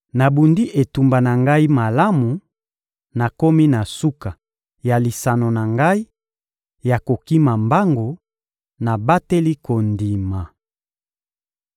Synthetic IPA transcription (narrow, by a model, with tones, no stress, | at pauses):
na˨bu˨ndi˦ʔe˨tu˨mba˨na˨ŋɡa˦i˦ma˨la˦mu˨ | na˨ko˦mi˦na˨su˦ka˨ | ja˨li˨sa˨no˨na˨ŋɡa˦i˦ | ja˨ko˨ki˦ma˨mba˦ŋɡo˨ | na˨ba˦te˦li˦ko˨ndi˨ma˨